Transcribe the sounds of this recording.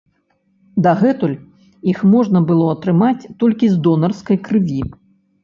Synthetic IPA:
d̪ɐɣɛt̪ulʲ | ixmɔʐnɐbɨlˠɔɐt̪ɾɨmat͡sʲt̪ɔlʲkʲizd̪ɔnɐrskɐjkɾɨvʲi

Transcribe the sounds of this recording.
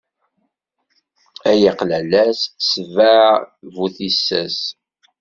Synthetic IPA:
æjiqlælæssəvævuθisːæ̰s

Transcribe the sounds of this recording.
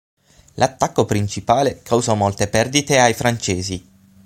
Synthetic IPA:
lʔat̪ːakːopɾint͡ʃipaːlekʰawzamolt̪epɛrd̪it̪eajfɾant͡ʃeːzi

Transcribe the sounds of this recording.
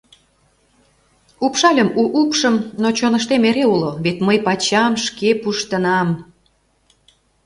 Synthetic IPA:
upʃɑlʲəmuʔupʃəmnot͡ɕonə̆ʃt̪emeɾeuloβet̪məjpɑt͡ɕɑmʃkepuʃt̪ənɑm

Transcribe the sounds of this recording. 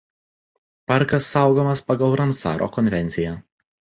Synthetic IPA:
pɐɾkɐsːɑˑʊɡomɐspɐɡɐlˠɾɐmsɑ̰ːɾʔo̰ːkɔnʲʋʲɛnʲsʲɪjɛ

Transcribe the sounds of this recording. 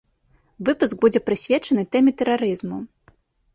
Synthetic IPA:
vɨpusɡ̚bud͡zʲɛpɾɨsʲvʲɛt͡ʂɐnɨt̪ɛmʲɛt̪ɛɾaɾɨzmu

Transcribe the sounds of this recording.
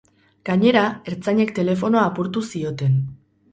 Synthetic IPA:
ɡ̥aɲe̞ɾae̞ɾt͡saɲe̞kt̪e̞le̞fo̞no̞aːpuɾt̪usio̞t̪e̞n

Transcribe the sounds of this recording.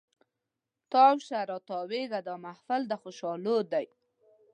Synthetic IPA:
t̪ɑwʃaɾɑt̪ɑweɡad̪ɑmahfɪld̪əxoʃɑlod̪aj

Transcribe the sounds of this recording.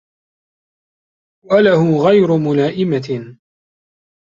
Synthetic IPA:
walahʊɣajɾʊmʊlaːʔɪma

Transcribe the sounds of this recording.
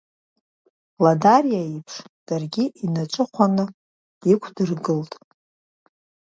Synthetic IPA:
ladarijaipʰʂd̥arɡʲiʔinat͡ʃʷʼɨχʷanɨ | ikʷʰdɨrɡɨltʼ

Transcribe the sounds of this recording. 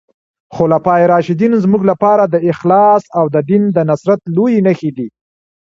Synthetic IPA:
xolapɑjeɾɑʃɪd̪inzmuɡlapɑɾad̪əɪxlɑsawd̪əd̪ind̪ənasɾat̪lojinəxed̪i

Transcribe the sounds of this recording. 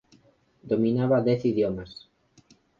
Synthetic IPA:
d̪omĩnaβaðɛθiðjomas

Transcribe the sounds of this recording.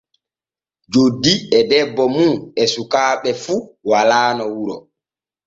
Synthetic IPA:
d͡ʒodːiɛdɛbːɔmuɛsukaːɓɛfuwalaːnɔwuɾɔ

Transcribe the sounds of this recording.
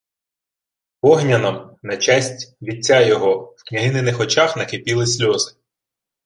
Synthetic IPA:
pɔɦnʲɐnɐmnɐt͡ʃasʲtʲʋʲit͡sʲːajɔɦɔwknʲɐɦɪnɪnɪxɔt͡ʃaxnɐkepʲilˠɪsʲlʲɔzɪ

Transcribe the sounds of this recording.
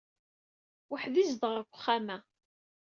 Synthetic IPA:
wəħðizðʁəɾkʷːχːæmæ

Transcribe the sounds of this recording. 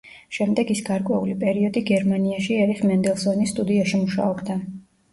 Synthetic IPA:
ʃɛmd̪ɛɡisɡaɾkʼwɛulipʼɛɾiɔd̪iɡɛɾmaniaʃiɛɾifmɛnd̪ɛlˠsɔnisːt̪ʼud̪iaʃimuʃa̰ɔbd̪a

